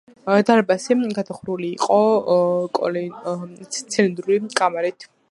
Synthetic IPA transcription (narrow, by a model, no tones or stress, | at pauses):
d̪aɾbasɛɡad̪aχɾuliːqʼɔ | kʼɔ̰li | t̪sʰɛlind̪ɾulikʼamaɾit̪ʰ